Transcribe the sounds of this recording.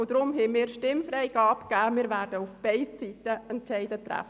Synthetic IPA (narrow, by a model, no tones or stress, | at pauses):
od̪ɾʊmɦɛmɪːɾʃtɪmfɾɛɪɡɑːpkæːmɪːɾvæːɾd̥əufb̥ɛɪst͡sitəɛntt͡ʃɛɪdətɾæ̰f